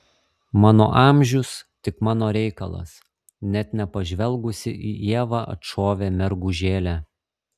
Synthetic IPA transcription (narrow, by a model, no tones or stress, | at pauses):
mɑːno̰ːʔɑːˑmʲʒʲʊst̪ʲɪkmɑːnoːɾʲɛɪkɐ̰lˠɐ̰s | nʲɛt̪nʲɛpɐʒʲʋʲɛlˠɡʊsʲɪ̰ʔiːʔiɛʋɑɐ̰t̪ʃoːʋʲeːmʲɛɾɡuːʒʲeːlʲæː